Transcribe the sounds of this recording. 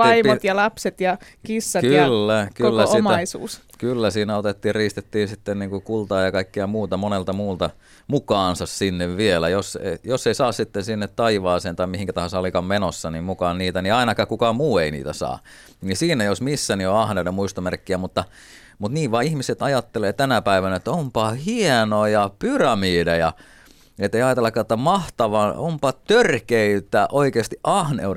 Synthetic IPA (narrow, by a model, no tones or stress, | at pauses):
ʋɑimot̪jɑlɑpset̪jɑ | kisːɑkylːækylːæoimæisṵːs | kylːæsiːnæot̪et̪ːiːrriːst̪et̪ːiːnsit̪ːenniːŋkukult̪ɑːjɑkɑikːiɑmuːt̪ɑmonelt̪ɑmuːlt̪ɑ | mukɑːnsɑssinːeʋʋielæjosejosːeisɑːssit̪ːensinːet̪tɑiʋɑːseːnt̪ɑimihiŋkæt̪ɑhɑsɑlikɑmmenosːɑnimmukɑːnniːt̪æniɑinɑkɑkukɑmuːeinḭːt̪æ̰sɑ̰ː | nisiːnæjosmisːænioɑhneudemuist̪omerkːiæmut̪ːɑ | mut̪niːʋʋɑːihmiset̪ɑjɑt̪ːeleːt̪ænæpæiʋænæet̪ːæompɑhienojɑpyrɑmiːdɑjɑ | et̪ːeiɑjɑt̪elːɑkːˑɑnet̪ːæmɑht̪ɑʋɑnompɑt̪ørkeit̪ːˑæːʔoikeːst̪iʔʔɑhnḛue